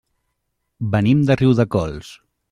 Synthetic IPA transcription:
bənimd̪əriwðəkɔlˠs

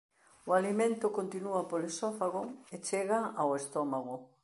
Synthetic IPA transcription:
ʊalimẽnt̪ʊkont̪inuapolesɔfaɣoet͡ʃeɣaawest̪ɔmaɣʊ

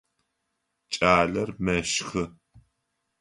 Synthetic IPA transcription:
t͡ʃʼaːɮɐrmɐʃxɨ

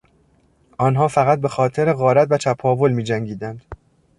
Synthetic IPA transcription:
ʔɒːnɦɒːfæɣæt̪̚be̞xɒːt̪ʰeɾe̞ɣɒːɾæt̪væt͡ʃʰæpʰɒːvo̞lmiːd͡ʒæŋɡiːd̪ænd̪̥

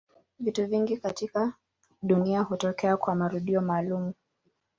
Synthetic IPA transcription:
vituviŋɡikatika | ɗuniahutɔkɛakwamaɾuɗiɔmaːlumu

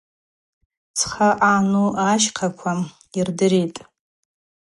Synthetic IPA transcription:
t͡sʰχaʔanuaʃqʰakʷʰa | irdɨɾitʼ

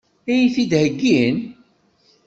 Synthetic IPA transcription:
æjiθid̪həɡːin

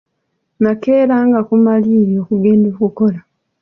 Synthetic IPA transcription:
nakeːɾaːŋɡakumalijo̞ːkuɡe̞ːndoːkuko̞la

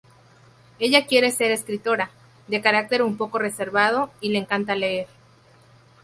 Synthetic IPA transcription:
e̞ʝakje̞ɾe̞se̞ɾeskɾit̪o̞ɾa | d̪e̞kaɾak̚t̪e̞ɾumpo̞ko̞re̞se̞ɾβað̞oileːŋkant̪aleeɾ

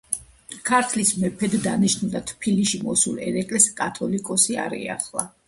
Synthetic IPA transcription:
kʰaɾt̪ʰlismɛpʰɛd̪ːaniʃnud̪at̪ʰpʰiliʃimɔsṵlɛ̰ɾɛkʼlɛskʼat̪ʰɔlikʼɔsia̰ɾɛ̰a̰χlˠa

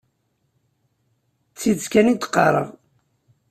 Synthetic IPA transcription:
t͡sːiðskænit̪qːɑ̰ɾˤə̰ʁ

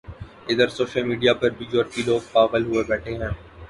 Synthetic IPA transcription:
ɪd̪əɾsoːʃəlmiːɖijapɐɾbʱiːd͡ʒɔːɾkiloːɡ̚paːɣəlɦʊebɛːʈʰeɦɛ̃ː

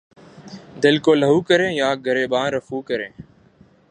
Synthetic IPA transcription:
d̪ɪlkoːləɦuːkəɾẽːjãːɡʱəɾeːɓãːnɾəfuːkəɾẽː

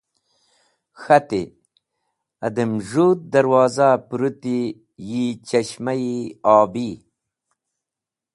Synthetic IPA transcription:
xɐt̪i | ɐd̪emʐuːt̪̚d̪ɐɾwɑːzapuɾut̪i | jit͡ɕɐɕmajiaːbi

